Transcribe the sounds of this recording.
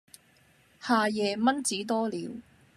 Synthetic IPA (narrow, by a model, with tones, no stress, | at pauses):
haː˨˧jɛː˨˧mɐ˥nt͡siː˨˥t̪ɔː˥liː˨˥w